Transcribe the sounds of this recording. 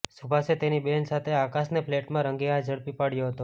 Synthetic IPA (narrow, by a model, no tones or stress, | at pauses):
subʱaset̪enibensat̪ʰeakasnepʰleʈmãɾəŋɡead͡ʒəɭpipaɽjoɦət̪o